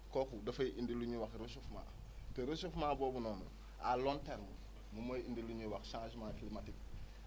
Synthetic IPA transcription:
kokudɐfɐjiʔindiluɲiwakɾusufma̰ | teɾusufmaːboːbunoːnṵ | alonteɾmu | mumaindiluɲiwaksãːʃmakilimatik̚

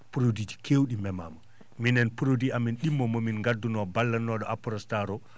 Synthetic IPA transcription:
puɾodid͡ʒi̥kʰewɗimɛma̰ma | minɛnpuɾodiaminɗimːɔmominŋɡadːunɔbalːanːɔɗɔʔapuɾɔstaɾɔ

